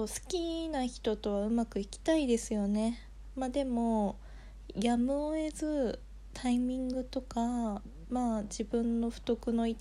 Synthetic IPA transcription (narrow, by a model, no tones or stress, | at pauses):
oːsɨ̥kʲinaçi̥t̪o̞t̪o̞βaɯ̟makɯ̟ikʲi̥t̪aid̪e̞sɨjo̞ne̞ | mad̪e̞mo̞ | jamɯ̟oe̞zɨ | t̪ʰaimʲĩŋɡɯ̟t̪o̞ka | mad͡ʑibɯ̟̃nːo̞ɸɯ̟̥t̪o̞kɯ̟no̞it̪